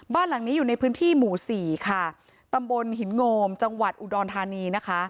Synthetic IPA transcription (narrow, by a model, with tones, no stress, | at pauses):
baː˥˩nla˨˩˦ŋniː˦˥juː˨˩na˧jpʰɯː˦˥nt̪ʰiː˥˩muː˨˩˦siː˨˩kʰa˥˩ | t̪a˧mbo˧nɦi˩˦nŋoː˧mt͡ɕa˧ŋwa˨˩t̪̚ʔu˨˩dɔː˧nt̪ʰaː˧niː˧na˦˥kʰa˦˥ʔ